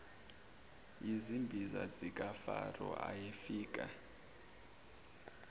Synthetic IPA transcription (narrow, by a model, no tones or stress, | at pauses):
izimbʱizazik̬ʼafarɔ̰ʔajefiːk̬ʼa